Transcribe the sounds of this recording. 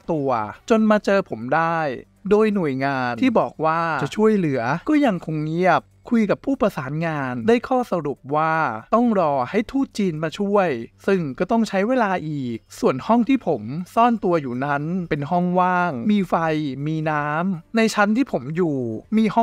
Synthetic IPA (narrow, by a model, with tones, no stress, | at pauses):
t̪u˧ɐt͡ɕo˧nmaː˧t͡ɕɤː˧pʰo˩˦mdaː˥˩j | doː˧jnu˨˩əjŋaː˧nʰiː˥˩bɔː˨˩k̚waː˥˩t͡ɕa˨˩t͡ɕʰu˥˩əjlɯ˩˦ɐkɔː˥˩ja˧ŋkʰo˧ŋni˥˩ɐk̚ʰːu˧jka˨˩pʰuː˥˩pɾa˧saː˩˦nŋaː˧ndaː˥˩jkʰɔː˥˩sa˧ɾu˨˩p̚waː˥˩t̪ɔ˥˩ŋɾɔː˧ha˥˩jt̪ʰuː˥˩t̪̚t͡ɕiː˧nmaː˧t͡ɕʰu˥˩əjsɯ˥˩ŋkɔː˥˩t̪ɔ˥˩ŋt͡ɕʰa˦˥jweː˧laː˧ʔiː˨˩k̚su˨˩ənhɔ˥˩ŋt̪ʰiː˥˩pʰo˩˦msɔː˥˩nt̪u˧ɐjuː˨˩na˦˥npe˧nɦɔ˥˩ŋwaː˥˩ŋmiː˧fa˧jmiː˧naː˦˥mna˧jt͡ɕʰa˦˥nt̪ʰiː˥˩pʰo˩˦mjuː˨˩miː˧hɔ˥˩